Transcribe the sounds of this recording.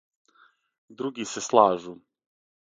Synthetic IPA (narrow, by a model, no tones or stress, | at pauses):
d̪ɾuɡiseslˠaːʒu